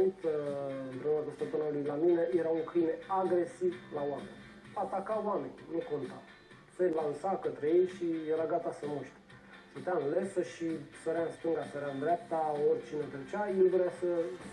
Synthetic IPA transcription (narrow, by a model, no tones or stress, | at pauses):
it̪ | d̪ɾomak̪ost̪op̪ənalilaminaiɾaukineaɡɾesivlawamen | at̪akawamenʲnekont̪a | sejlansakət̪ɾeejʃiɾaɡat̪asəmuʃt̪e̥ | sət̪anlesəʃisəɾanst̪əŋɡasəɾand̪ɾap̚t̪ːaoɾt͡ʃinət̪ət͡ʃaiuvɾjasə